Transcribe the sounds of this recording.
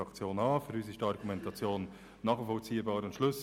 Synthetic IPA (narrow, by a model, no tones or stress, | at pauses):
ɑkt͡sjoːnɑːfyɾys̬ɪʃtɑrɡumɛntʰɑt͡sjoːnː | ɑːχfɔlt͡siːəbɑːɾʊntʃlʏs